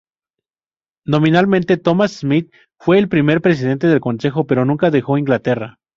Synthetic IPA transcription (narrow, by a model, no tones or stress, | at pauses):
no̞mĩnalmẽnt̪e̞t̪o̞masːmit̪̚ | fwe̞ːlpɾime̞ɾpɾe̞s̬iðe̞nt̪e̞ðe̞lko̞nse̞xo̞pe̞ɾo̞nũŋkaðe̞xo̞iŋɡlat̪e̞ra